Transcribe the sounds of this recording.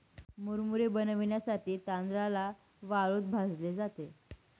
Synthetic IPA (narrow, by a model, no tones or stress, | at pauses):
muɾmuɾebənəʋɳjasaʈʰiːt̪and̪ɾala | ʋaɭot̪̚bʱad͡zled͡zat̪e